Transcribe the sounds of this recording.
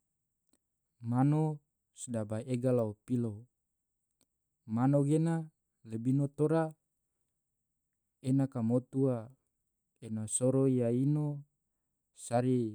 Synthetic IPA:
mano | sdabaʔeɡalaopilo | manoɡena | lebinot̪oɾa | enakamot̪ua | enasoɾojaino | saɾi

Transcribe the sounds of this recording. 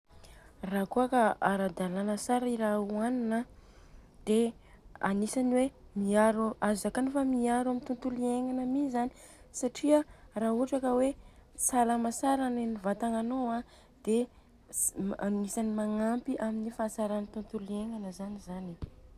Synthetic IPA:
rakuakaaɾad̪alanəsaɾaiɾauaninə | d̪̥e | a̰nisaniwemiaɾuʔazakanufamiaɾamint̪unt̪ulieŋanəmizani̥ | saʈ͡ʂiaraːuaʈ͡ʂakəwesalamasaɾanenivat̪aŋanowa | d̪̥e | anisanimaŋampiʔaminifaːsaɾanit̪unt̪ulieŋanəzanizani

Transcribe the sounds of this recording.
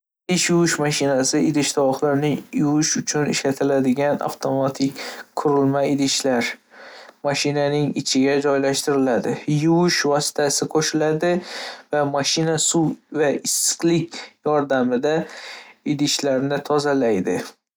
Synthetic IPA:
ɪʃjʊwɪʃmaʃɪnasɪʔɪd̪ɪʃt̪ʰaɒχlaɾnɪjʊwʊʃʊt͡ʃʰʊnɪʃlat̪ʰɪlad̪ɪɡʲana̰ft̪ʰo̞mat̪ʰɪkʲkʰːʊɾɪlmaɪd̪ɪʃlaɾ | maʃɪnanɪŋɪt͡ʃʰɪɡʲad͡ʒɒjlaʃt̪ɪɾɪlad̪ɪjʊwʊʃvɒsɪ̥t̪ʰasɪqʰoʃɪlad̪ɪvamaʃɪnasuwvaɪsɨ̥qlɪkʲjɒɾd̪amɪd̪a | ɪd̪ɪʃlaɾnɪt̪ʰɒzalajd̪ɪ

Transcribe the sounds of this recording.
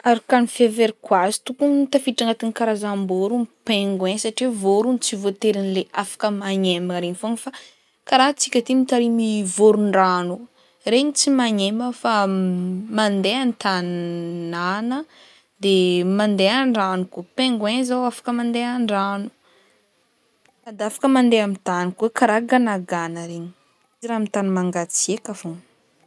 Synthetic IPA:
aɾakanifeveɾikwazi̥t̪ukunt̪afiʈ͡ʂaŋat̪inikaɾazamboɾumpeŋɡwɛ̃saʈ͡ʂievoɾunt͡sivot̪eɾinileafḁkəmaɲemɾeɲifoŋfa | kaɾaɦt͡sikʲət̪imit̪aɾimivoɾuɳɖ͡ʐanu | ɾeɲit͡simaɲeməfa | mand̪eanit̪annanə | d̪emand̪eaɳɖ͡ʐanukupeŋɡwezawafḁkəmand̪eaɳɖ͡ʐanu̥ | ad̪afḁkəmand̪eamint̪anikwekaɾaɡanaɡanəɾeɲi̥ | iziɾamit̪animaŋɡat͡siekavon

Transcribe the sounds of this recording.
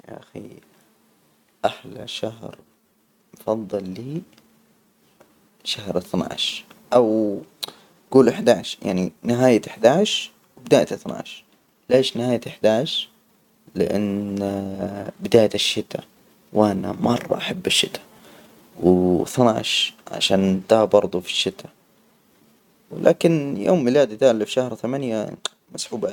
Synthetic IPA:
ja̰ʔaxḭ | ʔaħla̰ʃaɦɾ | mfɑðˤːɑlːiː | ʃahɾˤɪθna̰ːʕʃʔaw | ɡuːlɪħd̪aːʕʃja̰ʕninɪɦaːjat̪ɪħd̪aːʕʃ | wbɪd̪aːjt̪aθna̰ːʃ | leːʃnɪhaːjat̪ɪħd̪aːʕʃ | lɪʔa̰n | bɪd̪aːjaʃːɪt̪a | wana̰mɑrˤːɑ̰ʔaħabːaʃːɪt̪ʰḁ | wɪθnaʕʃʕa̰ʃaːnt̪aːbɑɾˤd̪ˤufi̥ʃːɪt̪ʰa | wlʔa̰ːkɪnjoːmːɪlaːd̪id̪aːʔlːafʃahɾt̪amanja | masʕuːb

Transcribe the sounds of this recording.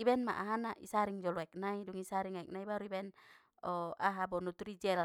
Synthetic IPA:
ibɛnma̰ʔaɦanaʔḭsaɾiŋd͡ʒɔluɛk̚naiduŋisaɾiŋaɛk̚naibaɾuibɛn | ɔaɦabɔnut̪ɾid͡ʒɛl

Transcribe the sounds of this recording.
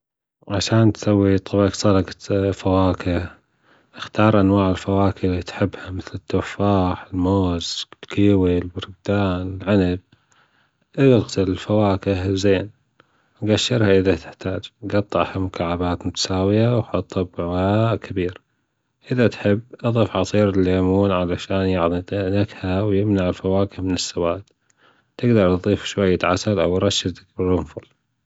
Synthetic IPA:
ʕaʃaːnt̪sawːit̪ˤɨbɑksˤɑlɑqafawaːkɪh | ʔɪxt̪ɑːɾˤʔanwaːʕɪlfawaːkɪlit̪ħɪbːhamɪθlɪt̪ːufaːħɪlmoːzlkiːwilbʊɾɡ̚d̪aːnɪlʕanab̚ | ʔɪlɣtɪlɪlfawaːkɪhzeːn | ɡaʃːɪɾhaʔɪðat̪ɪ̥ħt̪aːd͡ʒɡɑt̪ˤːɑʕhamʊkaːʕabaːt̪mʊt̪ḁsaːwɪjawħɑt̪ˤːɑbʕwaːʔkʰabiːɾ | ʔɪðat̪ħɪbːʔɑðˤifʕɑsˤiːɾɪlːeːmuːnʕalaʃaːnjɪʕðˤiʔnakhawjɪmnaʕɪlfawaːkɪhmɪnɪsːawaːd̪ | t̪ɪɡd̪ɑɾˤt̪ðˤiːfʃwajːat̪ʕa̰salʔawɾˤɑʃːɪd̪ak̚bɪɾʊmfʊl

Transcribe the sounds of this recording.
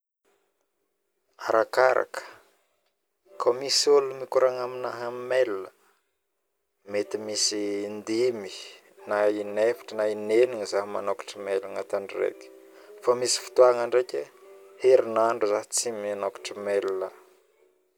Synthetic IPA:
aɾakaɾa̰kə̥ | kʰomisolumikuɾaŋaminaɦammelnə | met̪imisind̪emi | nainefi̥ʈ͡ʂənaineniŋizaɦima̰nokḁʈ͡ʂəmeliŋat̪aɳɖ͡ʐirḛkʲə̥famisi̥fi̥t̪uaŋaɳɖ͡ʐekʲeheɾinaɳɖ͡ʐuzaɦit͡siminokḁʈ͡ʂəmelna

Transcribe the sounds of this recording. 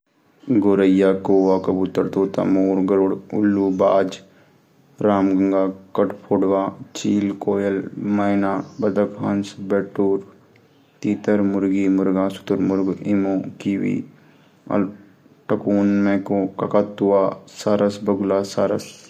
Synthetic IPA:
ɡoːɾəjaːkoːʋaːkɐbut̪əɾt̪oːt̪a̰moːɾɡɐɾoɽʊlːubaːd͡ʒ | ɾaːmɡɐŋɡaːkɐʈpʰoːɽʋaːt͡ʃiːlkoːjɐlmɐɪnaːbɐd̪ɐkɦɐnsbeːʈuːɾ | t̪iːt̪əɾmʊɾɡimʊɾɡãːsu̥t̪əɾmʊɾɡimõːkiːʋḭː | ɐ̰l | ʈɐkuːnmẽːkokɐkat̪ːuaːsaɾɐsbɐɡlaːsaːɾɐs

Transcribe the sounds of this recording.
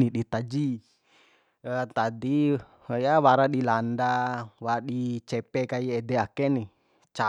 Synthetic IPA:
niɗit̪ad͡ʒi | t̪adi | jawaɾaɗilandawaɗit͡ʃɛpɛkaiɛdɛakɛni | t͡ʃa

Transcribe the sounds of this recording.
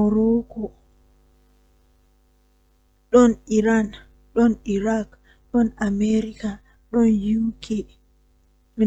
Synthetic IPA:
ɔɾɔkɔ | ɗɔniɾan | ɗɔniɾak | ɗɔnameɾika | ɗɔnjuwkʰɛ | mi

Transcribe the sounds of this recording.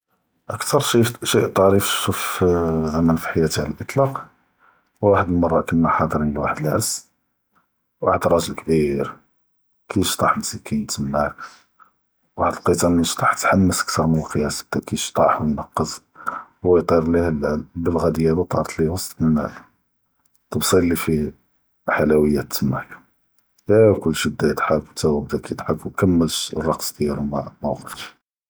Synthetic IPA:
ʔəkt̪ɑɾˤʃiʃiʔt̪ˤːɑɾifʃufzæmænfi̥ħajːæt̪ʕləlʔət̪ˤlɑq | wwaħəd̪əlmɑrˤːɑkənmaħɑd̪ˤəɾiləlwaħəd̪əlʕəs | waħəd̪ɾˤɑʒəlkbiɾ | kʰijʃt̪ˤɑħmsikʰint̪əmːak | waħəd̪əlqət̪ɑnəʃt̪ˤɑħt̪ħamːəsə̥k̚t̪ɑɾˤmənəlqəjæs̚t̪ækʰiʃt̪ˤɑħwnɑqːəz | wəjt̪ˤiɾˤlihlbəlɣæd̪əjːælut̪ˤɑɾˤt̪liwɑsˤt̪ʔən̰ː | t̪əbsˤilːifi | ħalæwəjːæt̪ːəmːa̰ʕk | jækʊlːʃəd̪ːæjət̪ħaft̪æwəb̚d̪ækijt̪ħafwkæmːəltrˤɑqsd̪jæɾmamæɣəɾt̪

